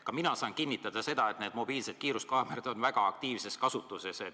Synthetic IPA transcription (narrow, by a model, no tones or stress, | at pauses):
kɑminɑsɑːnkinːit̪ːˑɑd̪̥ɑse̞d̪̥ɑe̞t̪ne̞ːd̪mo̞biːlse̞d̪̥kiːɾuskɑːmeɾed̪̥o̞nvæɡ̥ɑɑk̚t̪iːvse̞skɑsut̪ːˑuseset̪